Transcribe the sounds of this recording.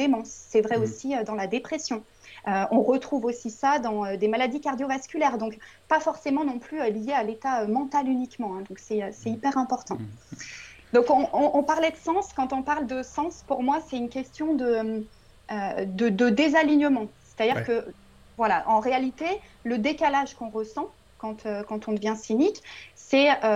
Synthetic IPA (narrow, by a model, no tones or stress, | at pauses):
d̪emɑ̃sːɛvʁɛosiød̪ɑ̃lad̪epχesjɔ̃ | øɔ̃ʁət̪χuvosisad̪ɑ̃ød̪emalad̪ikaʁd̪jovaskʲylɛʁd̪ɔ̃k | pafɔʁsemɑ̃nɔ̃plyølijealet̪aømɑ̃t̪alynikmɑ̃ɛ̃d̪ɔ̃ksɛøsɛipɛʁɛ̃pɔʁt̪ɑ̃ | d̪ɔ̃kɔ̃ɔ̃ʔɔ̃paʁlɛd̪əsɑ̃skɑ̃t̪ɔ̃paʁld̪əsɑ̃spuʁmwasɛt̪ynkʲɛst̪jɔ̃d̪əm | ød̪əd̪əd̪ezaliɲəmɑ̃sɛ̥t̪ad̪iʁkə | vwalaʔɑ̃ʁealit̪eləd̪ekalaʒkɔ̃ʁəsɑ̃ | kɑ̃t̪økɑ̃t̪ɔ̃d̪əvjɛ̃siniksɛø